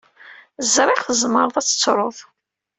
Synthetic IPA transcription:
zɾˤɪχθəzˤməɾˤðˤæt͡sːə̥t͡sːɾˤoðˤ

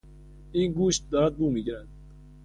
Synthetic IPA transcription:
inɡuʃt̪̚d̪əɾˤɑt̪̚bumiɡɾæn

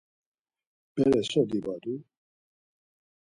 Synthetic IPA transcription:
b̥ɛɾɛsɔd̪ibad̪u

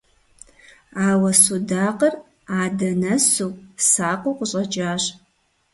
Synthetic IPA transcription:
aːwɐsudaːqʼər | aːdɐnɐsupʼsaːqʷʼʊqʷʼʊɕʼɐt͡ʃʼaːɕ

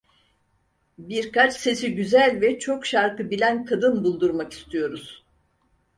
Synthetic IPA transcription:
biɾkat͡ʃse̞siɟyzælʲvɛt͡ʃʰo̞kʃaɾkɯbilʲænkʰad̪ɯnbulˠd̪uɾmaki̥st̪ʰijo̞ɾuz̥

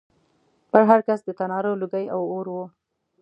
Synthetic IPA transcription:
pəɾɦaɾkasd̪ət̪anɑɾoluɡajawoɾwo

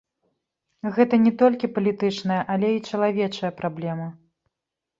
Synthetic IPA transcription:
ɣɛt̪ɐnʲɛt̪ɔlʲkʲipɐlʲit̪ɨt͡ʂnɐjɐʔalʲɛit͡ʂɐlˠavʲɛt͡ʂɐjɐpɾablʲɛmɐ

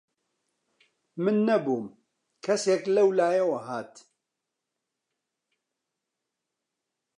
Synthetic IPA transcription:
mɨnːɐbuːm | kʰɐseːklɐwlaːjɐwɐɦaːt̪

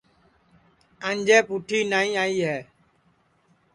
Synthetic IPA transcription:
əɲd͡ʒɛːpuʈʰiːnaːĩːaːiːɦɛː

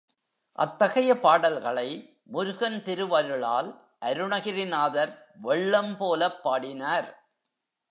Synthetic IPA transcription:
ʔɐ̰t̪ːɐɣɐjɐpaːɽɐlɣɐɭɐɪ | mʊɾʊɣɐnt̪ɪɾɯʋɐɾɯɭa̰ːl | ʔɐɾɯɳɐɣɪɾɪnaːðɐɾ | ʋɛɭːɐmpoːlɐpːaːɽɪnaːɾ

